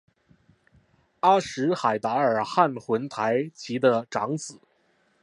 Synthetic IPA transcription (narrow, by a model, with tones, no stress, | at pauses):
a˥ʂɻ̩˧˥xa˨˩ɪt̪a˧˥ə˞˨˩xa˥˩nxwə˧˥nt̪ʰa˧˥ɪt͡ɕʰi˧˥d̪ə˧ʈ͡ʂɑ˧˥ŋt͡sɹ̩˨˩˦